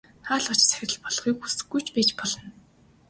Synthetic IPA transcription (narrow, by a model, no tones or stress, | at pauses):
χaːɮɔ̆t͡ɕt͡sæxʲɪrʲɘ̆ɮpɔɮ̆χiːkxusɘ̆ɡujt͡ɕpeːt͡ɕpɔɮɞ̆n